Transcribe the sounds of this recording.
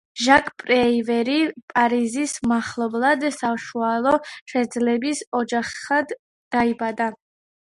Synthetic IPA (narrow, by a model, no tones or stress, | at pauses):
ʒakʰʼpʼɾɛivɛɾipʼaɾizismaχlˠɔblˠad̪saʃualˠɔʃɛd̪zlɛbisɔd͡ʒaχad̪ː | aibad̪a